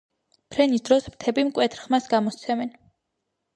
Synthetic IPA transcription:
pʰɾɛnisd̪ɾɔsmt̪ʰɛbimkʼwɛt̪ʰɾχmasɡamɔt̪sʰɛmɛn

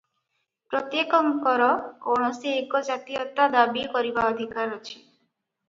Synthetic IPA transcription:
pɾɔt̪jekɔŋkɔɾɔɔɽ̃ɔsiekɔd͡ʒat̪ijɔt̪ad̪abikɔɾibaɔd̪ʱikaɾɔt͡ʃʰi̥

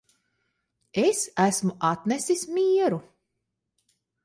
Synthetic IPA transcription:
esæsmuʔat̪nɛsismiːɛɾu

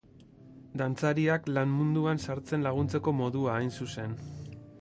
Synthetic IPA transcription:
d̪ant͡saɾiaklanmund̪uansaɾt͡se̞nlaɣ̞unt͡se̞ko̞mo̞ðuaːjnsuse̞n

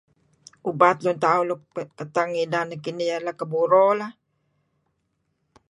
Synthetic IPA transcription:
ʔubat̪lunt̪aulukət̪aŋidanakinijalakəbuɾola

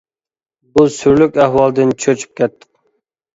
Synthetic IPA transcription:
busyɾlykʲæhwɑlˠd̪ɨnt͡ʃʰøt͡ʃʰy̥p̚kʲɛt̪ʰːɪ̥q

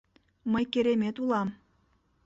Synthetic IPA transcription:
məjkʲeɾemʲet̪ulˠɑm

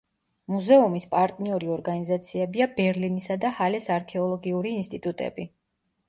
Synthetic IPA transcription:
muzɛumispʼaɾt̪ʼniɔɾiɔɾɡanizat̪sʰiɛbiabɛɾlinisad̪ahalɛsaɾkʰɛɔlˠɔɡiuɾiːnst̪ʼit̪ʼut̪ʼɛ̰bi

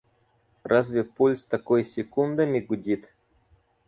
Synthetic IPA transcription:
razʲvʲɪpulʲst̪ɐkojsʲɪkund̪əmʲɪɡʊdʲit̪

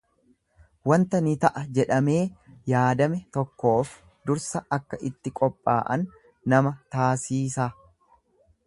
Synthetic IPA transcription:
wɐnt̪ɐnɪt̪ɐʔɐd͡ʒɛᶑɐme̞ːjaːd̪ɐmɛt̪ɔkːo̞ːf | d̪ʊɾsɐɐkːɐʔɪt̪ːɪkʼɔpʼːa̰ːʔɐ̰nː | ɐmɐt̪aːsiːsaː

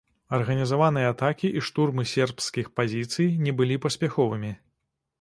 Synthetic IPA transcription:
ɐrɣɐnʲizavanɨjɛat̪akʲiʔiʂt̪urmɨsʲɛrpskʲixpazʲit̪sɨjnʲɛbɨlʲipɐsʲpʲaxɔvɨmʲi

